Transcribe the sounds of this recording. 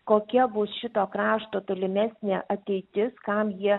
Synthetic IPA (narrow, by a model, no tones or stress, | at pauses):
koːkʲɛbʊsʃʲɪt̪oːkɾɑːʃt̪oːt̪olʲɪmʲæsʲnʲeʔɐt̪ʲɛɪt̪ʲɪskɑmjiɛ